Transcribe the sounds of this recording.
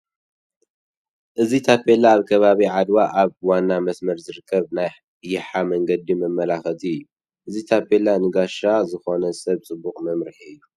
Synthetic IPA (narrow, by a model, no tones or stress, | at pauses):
ʔɨzit̪ʰapʰelaːβkʰɐβaβiʕad̪waʔaβwanːamɐsmɐɾzɨɾɨkʰːɐβnaj | jɪħamɐŋɡɐd̪imɐmːɐlaxɐt̪ʰiɨjːu | ʔɨzit̪ʰapʰːelanɨɡaʃazɨxo̞nɐsɐβt͡sʼɨbːukʼmɐmɾɨħiɨjːu